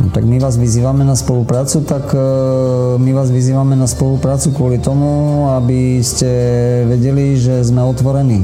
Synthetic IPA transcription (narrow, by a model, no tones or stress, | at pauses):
t̪a̰ɡmiʋaːzʋiziːʋamɛnaspɔlupɾaːt͡sut̪ak | miʋaːzʋiziːʋamɛnaspɔlupɾaːt͡sukʋʊɔlit̪ɔmuabiscɛʋɛɟɛliʒɛzmɛɔt̪ʋɔɾɛniː